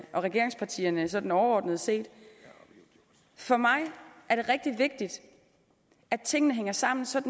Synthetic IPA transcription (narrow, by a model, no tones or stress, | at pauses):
ʔɒ̽ʁɛɡ̥e̝ɐe̝ŋspʰɑ̈t͡sʰḭːɐnəsɒ̽d̥n̩ɒʊɐɒ̰ːd̥nəð̞ˠse̝̰ːd̥ | fɒ̽mɑ̈ɪʔæɐɾ̥e̝ʁɛɡ̥̚d̥iʋe̝ɡ̥̚d̥id̥ | æ̥t͡sʰe̝ŋ̰ənəɦeŋ̰ɐsɑ̈m̰n̩sɒ̽d̥n̩